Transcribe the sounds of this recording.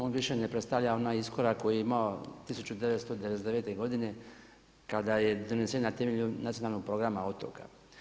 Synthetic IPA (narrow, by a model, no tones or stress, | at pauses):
onʋiʃe̞nepɾet̪st̪aʋʎao̞naːisko̞ɾakko̞jijeimao̞t̪isut͡ɕud̪e̞ʋet̪st̪o̞d̪eʋesd̪ee̞ːt̪e̞ɡo̞d̪ine̞ | kad̪aje̞d̪o̞nesenat̪emeʎunat̪ionaːlno̞ɡ̚pɾo̞ɡɾamaot̪o̰ka̰